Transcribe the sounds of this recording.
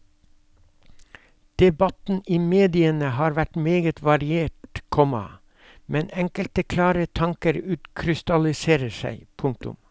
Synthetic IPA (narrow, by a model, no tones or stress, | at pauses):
d̪̥ɛbɑt̪n̩iːmeːd̪ɪənəhɑːɾʋæʈmeːɡət̪ʰʋɑɾɪeːʈkʰɔmɑ̰ | mɛnɛŋkəlt̪əkʰlɑːɾət̪ʰɑŋkəɾʉːt̪kʰɾɪst̪ɑlɪseːɾəsæ̰ɪpʰʊŋk̚t̪ʊ̰m